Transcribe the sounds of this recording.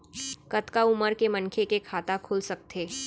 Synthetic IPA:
kɐt̪kaʊməɾkemɐnkʰekekʰaːt̪akʰʊːlsɐk̚t̪ʰeː

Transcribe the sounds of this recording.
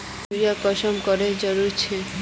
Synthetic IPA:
ɾiakɔʃɔmkɔɾeɾd͡ʑɔɾuɾt͡ɕʰe

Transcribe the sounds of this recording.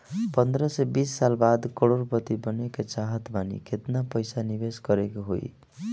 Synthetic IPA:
pʌnd̪ɾʌsʌbisːalbad̪kʌɽorpʌt̪ibʌnekat͡ʃaɦʌt̪bʱanḭkʰet̪napʌjsanibesɡʌɾekoɦo̰j

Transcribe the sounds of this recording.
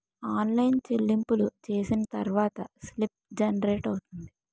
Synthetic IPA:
aːnlɐjnt͡ʃelːimpulut͡ʃe̞ːsinɐt̪ɐɾʋaːt̪ɐslip̚d͡ʒɐnɾeːʈɐwut̪und̪i

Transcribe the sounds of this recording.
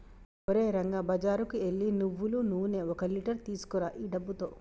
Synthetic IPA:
oɾeːɾɐŋɡabɐd͡ʒaːɾukueɭːinuʋːulunuːne̞ːɔkɐliʈɐɾt̪iːsu̥kɔɾaːʔiːɖɐbːut̪o̞̰ː

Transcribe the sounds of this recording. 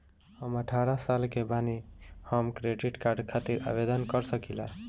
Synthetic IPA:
həməʈʰaɾasalkebanihəmkɾeɖiʈkaɾɖkʰat̪iɾa̰bed̪ənkʌɾsəkila̰

